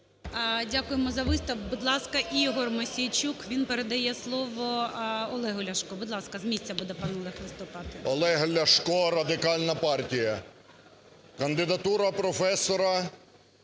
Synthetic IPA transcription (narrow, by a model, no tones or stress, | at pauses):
dʲakʊjemɔzɐʋɪst̪ɐwbʊd̪lˠɑskɐʔiɦɔrmɔsʲijt͡ʃʲukʋʲinpeɾed̪ɐjɛslˠɔʋɔɔlˠɛɦɔlʲɐʃkɔbʊd̪lˠɑskɐzmʲisʲt͡sʲːɐbud̪ɛpɑnɔlˠɛxʋɪst̪ɔpɑt̪ɪɔlˠɛɦɐlʲɐʃkɔrɐd̪ɪkɑlʲnɐpɑrtʲijɐ | kɐnd̪ɪd̪ɐt̪uɾɐpɾɔfɛsɔɾɐ